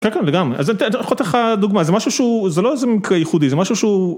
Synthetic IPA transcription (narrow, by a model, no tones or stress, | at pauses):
kenkenleɡamʁeʔazt̪χot̪elχad̪uɡmazemaʃuʃuzeloezemikʁejiχud̪izemaʃuʃu